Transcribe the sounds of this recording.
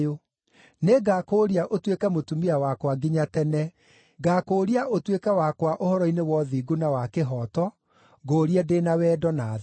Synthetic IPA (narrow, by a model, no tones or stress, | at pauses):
o | neɡakoɾiaʔotwekɛmotumiawakwaɡiɲatɛnɛ | ɡaːkoːɾiaʔotwekɛwakwaʔohɔɾɔinewɔðiːɡonawakeɦɔtɔ | ɡoːɾiɛdeːnawɛdɔna